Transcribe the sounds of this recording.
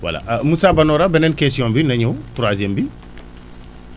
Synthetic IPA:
wa̰la̰musabanoːɾabɛnɛnkesijõːmbinɐɲuwtuɾazembi

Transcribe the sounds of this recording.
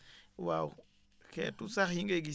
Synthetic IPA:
waw | ketusaxhiŋɡeɡi

